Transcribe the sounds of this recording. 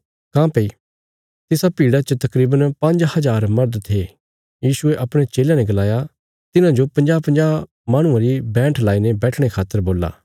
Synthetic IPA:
kãːpei | t̪ɪsapiːɽat͡ʃət̪ɐkɾiːbənpɐ̃nd͡ʒhɐzaːɾmɐɾd̪t̪ʰe | jiːsʊeʔɐpɽ̃et͡ʃeːljãnɛɡɐlaːja | t̪ɪnãd͡ʒopɐ̃nd͡ʒaːpɐ̃nd͡ʒaː | maːɽ̃ʊ̃ãɾibɛ̃ːʈʰlaːinebɛːʈʰɽ̃ekʰaːt̪ːəɾboːla̰ː

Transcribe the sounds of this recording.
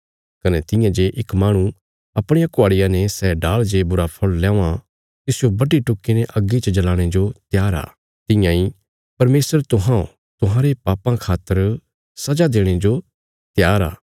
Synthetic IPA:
kɐnɛt̪ɪjãd͡ʒeʔɪkmãːɽ̃u | ɐpɽ̃ejãkʊaːɽɪjãnɛsɛːɖaːld͡ʒebʊɾapʰɐɭlɛ̃ːã | t̪ɪsɪjobɐɖiʈʊkːineʔɐɡːit͡ʃd͡ʒɐlaːɽ̃ed͡ʒot̪jaːɾa̰ː | t̪ɪ̃jãi | pɐɾmeːsəɾt̪ʊɦãõ̰ | t̪ʊɦãːɾepaːpãkʰaːt̪ːəɾ | sɐd͡ʒad̪eːɽ̃ed͡ʒo | t̪jaːɾa̰ː

